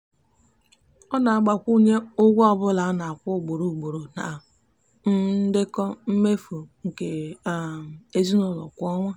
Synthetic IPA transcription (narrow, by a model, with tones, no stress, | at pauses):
ɔ˦na˨a˨ɡ͡ba˨kʷu˦ɲe˦ʊ˦ɡʷɔ˦bʊ˦la˨˦na˨a˨kʷʊ˦˨ɡ͡bo˨ɾu˨ɡ͡bo˨ɾo˨na˨ | n̩˦dɪ˦kɔ˦m̩˦me˦fu˨ŋ̩˨ke˨ | e˦zi˦nʊ˦˨lɔ̰˨kʷɔ˦ŋʷa˦